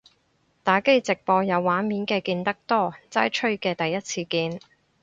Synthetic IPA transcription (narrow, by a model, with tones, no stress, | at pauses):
t̪aː˨˥ke˥jt͡sɪ˨k̚pɔː˧jɐ˨˧wːaː˨˥nmiː˨˥nkɛː˧kiː˧nt̪ɐ˥k̚t̪ɔː˥t͡saː˥jt͡ʃʰɵ˥ɥkɛː˧t̪ɐ˨jːɐ˥t̚t͡sʰiː˧kiː˧n